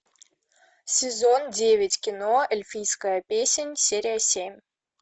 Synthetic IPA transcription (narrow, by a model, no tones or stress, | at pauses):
sʲɪzondʲevʲɪtʲkʲɪnoɪlʲfʲijskəjəpʲesʲɪnʲsʲeɾʲɪjəsʲemʲ